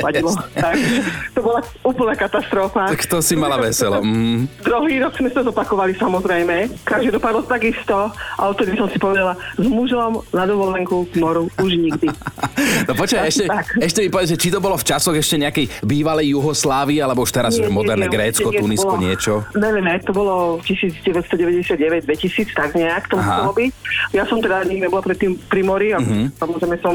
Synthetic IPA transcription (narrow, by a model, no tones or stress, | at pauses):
aɟilɔaɡɛt̪ɔbɔlauːpl̩nakat̪ast̪ɾɔfaakt̪ɔsimalaʋɛsɛlɔ̰m̩ɦ̩d̪ɾuɦiːɾɔkz̥mɛsit̪ɔzɔpakɔʋalisamɔzɾɛjmɛkaʒd̪id̪ɔpad̪lɔt̪aɡist̪ɔʔaɔt̪ɔɾisɔmsi̥pɔʋɛd̪alazmuʒɔmnad̪ɔʋɔlɛŋkuɡmɔɾuuʒɲiɡd̪i | nɔpɔt͡ʃɛɛʃcɛt̪akɛʃcɛmipɔʋɛʒɛt͡ʃit̪ɔbɔlɔft͡ʃasɔɣɛʃcɛɲɛakɛjbiːʋalɛjːuɦɔslaːʋiːalɛbɔuʃt̪ɛɾazɛmɔɛɾnnɛɡɾɛːt͡skkɔt̪uniskɔɲɪɛt͡ʃɔɲɛʋɛmɛt̪ɔbɔlɔcisiːd͡zɟɛʋɛst̪ɔɟɛʋɛɟɛsɪad̪̚ɟɛʋɛɟ̚d̪ʋɛcisiːt͡st̪aɡɲɛakt̪ɔmuɦasɛlɔbicjasɔmt̪ɛd̪aɲiɡɲɛbɔlapɾɛt̪ːiːmpɾimɔɾiaɦ̩samɔzɾɛɪmɛsɔm